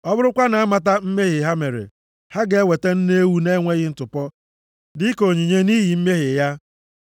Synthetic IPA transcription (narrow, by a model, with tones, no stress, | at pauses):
ɔ˦bʊ˦ɾʊ˦kʷa˦na˨a˦ma˨t̬a˦m̩˦me˦ɣɪ˨ɦa˦me˨ɾḛ˨ | ha˦ɡe˨˦e˦we˨te˦n̩˦ne˦wu˦ne˦ŋʷe˦ɣɪ˨n̩˦tʊ˨pɔ˦ | dɪ˦ko˨ɲi˨ɲe˦ni˦ɦi˨m̩˦me˦ɦɪ˨ja˦